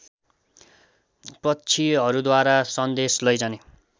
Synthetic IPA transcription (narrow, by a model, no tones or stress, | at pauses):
pʌt͡sʰiʌɾud̪waɾasʌnd̪eslʌjd͡zʌne